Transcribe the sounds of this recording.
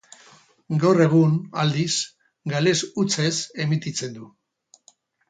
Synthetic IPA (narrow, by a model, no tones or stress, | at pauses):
ɡawre̞ɣ̞unald̪is | ɡale̞sut͡se̞se̞mit̪it͡se̞nd̪u